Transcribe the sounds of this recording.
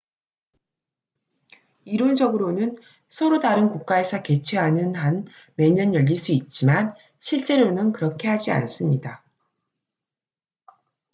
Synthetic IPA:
iɾond͡ʑʌɡɯɾonɯn | sʰʌɾodaɾɯnkuk̚k͈ae̞sʰʌke̞t͡ɕʰweɦanɯnɦan | me̞ɲʌnjʌʎːiɭs͈uit̚t͡ɕ͈iman | ɕʰiɭt͡ɕ͈e̞ɾonɯnkɯɾʌkʰe̞ɦad͡ʑia̰ns͈ɯmɲida

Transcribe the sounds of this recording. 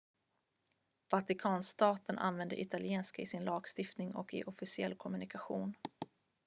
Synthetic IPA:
vat̪ɪkʰɑːnst̪ɑːt̪ənʔa̰nvɛnd̪ə̰ʔɪt̪ʰalɪeːnskaɪsɪnlɑːɡst̪ɪft̪nɪŋɔ̰kɪ̰ʔɔfɪsɪɛlːkʰɔmɵnɪkaɧuːn

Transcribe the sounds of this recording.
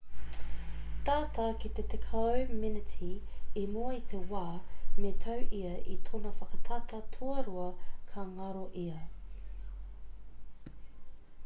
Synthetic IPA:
t̪aːt̪ɐkit̪et̪ekʰawminɪtʰiemoit̪ʰewaːmet̪ʰɐwʔiɐʔit̪ʰonɐfɐkɐt̪ʰɐt̪ɐtʰuɐɾuɐkʰɐŋɐɾoʔiɐ

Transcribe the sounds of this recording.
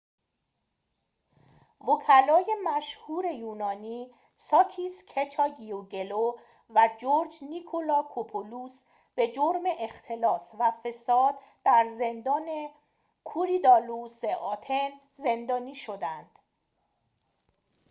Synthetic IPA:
vocʰælɒːje̞mæʃhuːɾe̞juːnɒːniː | sɒːcʰiːskʰet͡ʃʰɒːɟioɟe̞lo | væd͡ʒoɾd͡ʒnikʰolɒːkʰopʰoluːs | b̥e̞d͡ʒoɾme̞ʔext̪ʰe̞lɒːsvæfe̞sɒːd̪ | d̪̥æɾze̞nd̪ɒːne̞ | kʰuɾid̪ɒːluseʔɒːt̪ʰe̞n | ze̞nd̪ɒːniːʃo̞d̪ænd̪̥

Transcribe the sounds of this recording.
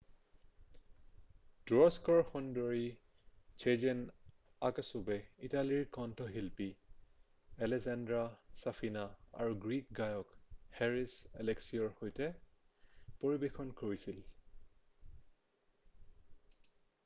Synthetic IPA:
d̥ɹɔskɔɹxɔndɔɹi | t͡ʃʰed͡ʒɛn | aksɔbɛitaliɹkɔntʰɔɦilpi | ɛlɛzandɹasafʰinaa̰ɹuɡɹik̚ɡajɔkhɛɹisɛ̰lɛksiɔɹxojtɛ | poɹibexʰɔnkoɹisil

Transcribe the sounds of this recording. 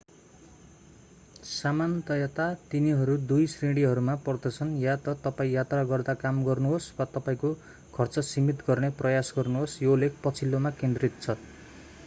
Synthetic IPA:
samant̪ʌjʌt̪at̪iniɦʌɾud̪ujsreɽiɦʌɾumapʌrd̪ʌt͡sʰʌnjat̪ʌt̪ʌpaĩjat̪raɡʌrd̪akamɡʌrnuɦoswat̪ʌpaĩko | kʰʌrt͡sʌsimit̪ɡʌrneprʌjasɡʌrnuɦosjoulːek̚ʰpʌt͡sʰilːomakend̪rit̪̚t͡sʰʌ

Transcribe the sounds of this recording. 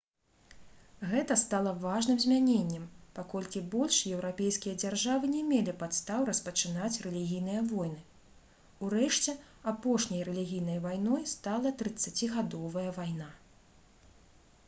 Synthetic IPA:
ɣɛt̪ɐst̪alˠɐvaʐnɨmzʲmʲanʲenʲːɛmpakɔlʲkʲibɔlʲʂjɛwɾapʲejskʲijɐd͡zʲarʐavɨnʲɛmʲelʲipat̪st̪awɾɐspɐt͡ʂɨnat͡sʲrɛlʲiɣʲijnɨjɐvɔjnɨ | uɾɛʂt͡sʲɛ | apɔʂnʲɐjrɛlʲiɣʲijn̪ɐjvajnɔjst̪alˠɐt̪ɾɨt̪sːat͡sʲiɣad̪ɔvɐjɐvajna

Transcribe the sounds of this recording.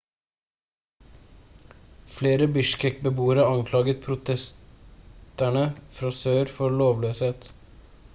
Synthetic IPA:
fleːɾəbʏʃkɛk̚bəbuːəɾəɑŋkʰlɑːɡət̪̚pʰɾʊt̪ʰɛs | t̪æɳəfɾɑsøːɾfɔloːʋløːsheːt̪

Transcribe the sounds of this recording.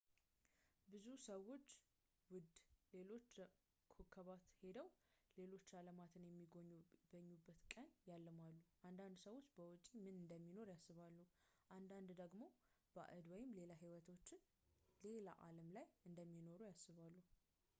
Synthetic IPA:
bɨzusəwːo̞t͡ʃː | wʊd̪le̞lo̞t͡ʃː | kʰokʰːəβat̪he̞d̪əwle̞lo̞t͡ʃːaləmat̪ʰɨnjɛmːiɡɡəɲːubːət̪kʼəɲjalːəmalːuʔand̪and̪səwot͡ʃːbəwɔt͡ʃʼimɨnɨnd̪əmːino̞ɾjasːɨβalːuhʔand̪and̪d̪əɡmo̞ | b̥ə̰ʔɨd̪wɔjɪmle̞laɦiwət̪ʰo̞t͡ʃːɪn | le̞la̰ʔaləmlajɨnd̪əmːino̞ɾujasːɨβalːuh

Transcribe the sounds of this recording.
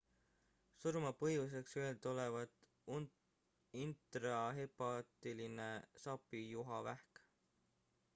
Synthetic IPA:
suɾmɑpɤjus̬e̞kseelt̪ole̞vɑd̪̥ | int̪rɑɦe̞pɑt̪iline̞sɑpːˑijuɦɑvæhk

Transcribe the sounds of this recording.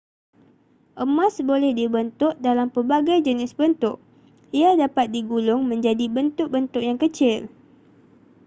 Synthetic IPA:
ʔəmãsbolɛhdibənt̪ʊʔ̚dalampərbaɡajd͡ʒənɪsbənt̪ʊʔ̚ | iadapat̪̚diɡulʊŋmə̃ɲd͡ʒadibənt̪ʊk̚bənt̪ʊk̚jaŋkət͡ʃɪl

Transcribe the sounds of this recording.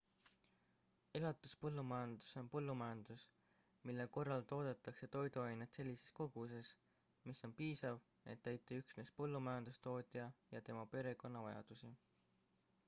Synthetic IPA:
e̞lɑt̪ːˑuspɤlːumɑjɑnd̪̥u̥so̞npɤlːumɑjɑnd̪̥us | milːe̞ko̞rːɑlt̪o̞ːd̪̥et̪ːˑɑkse̞t̪o̞jd̪uɑjnet̪se̞lʲːise̞̥sko̞ɡ̥us̬e̞s | miso̞npiːsɑv | e̞̰t̪ːæjt̪ːˑeyksne̞spɤlːumɑjɑnd̪̥ust̪o̞ːt̪ʲˑijɑjɑt̪e̞mɑpe̞ɾe̞ko̞nːɑvɑjɑ̰d̪̥usi

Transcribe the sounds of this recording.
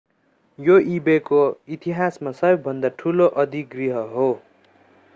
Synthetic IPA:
joibekoit̪iɦasmasʌbʌbʱʌnd̪aʈʰuloʔʌd̪iɡriɦʌɦo

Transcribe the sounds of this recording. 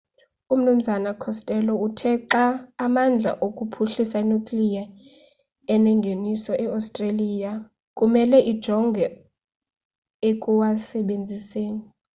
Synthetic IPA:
um̩num̩zanakʰɔstʼɛlɔutʰɛǁaːmand͡ɮʱa̰ʔokʼupʰuɬisainukʼlija | ɛnɛŋɡʱenisɔʔɛawstʼraliːja | kʼumɛlɛʔid̥ʒ̥ʱɔŋɡʱɛ | ekʼuwasɛɓend͡zʱiseːni

